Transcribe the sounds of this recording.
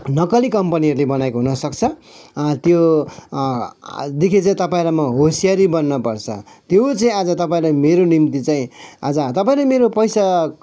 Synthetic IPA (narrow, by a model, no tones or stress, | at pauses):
nʌkʌlikʌmpʌniɦʌɾulebʌnajkoɦunʌsʌkt͡sʰʌt̪jo | d̪ekʰit͡saĩt̪ʌpaĩlamʌɦosijaɾibʌnːʌpʌrt͡sʰʌ̰t̪jot͡saĩad͡zʌt̪ʌpaĩlameɾonimt̪it͡saĩad͡zʌt̪ʌpaĩlameɾopʌjsa